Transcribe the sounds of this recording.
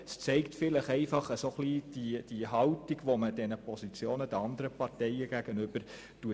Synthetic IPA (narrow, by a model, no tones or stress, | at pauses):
st͡sɛɪktfɪləχɛɪfɑχəsoχliːd̥id̥iɦɑwtiɡʋoməd̥ɛnəpɔsit͡sjoːnəd̥əɑnd̪əɾəpɑrtɛjəɡ̥æɡənʏb̥əɾ | tuə